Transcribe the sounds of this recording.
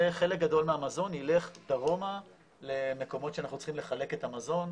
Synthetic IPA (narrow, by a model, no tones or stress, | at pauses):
eχe̞lek̚ɡado̞lmeamazo̞nile̞χd̥aʁo̞ma | le̞me̞ko̞mo̞tʃeanaχnut͡sχimle̞χale̞ketamazo̞n